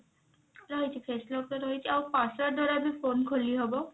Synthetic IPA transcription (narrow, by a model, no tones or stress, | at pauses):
ɹɔɦit͡ʃʰipʰeslɔk̚tɔɾɔɦit͡ʃʰiawpasaɹdɔɾabipʰonkʰoliɦɔbɔ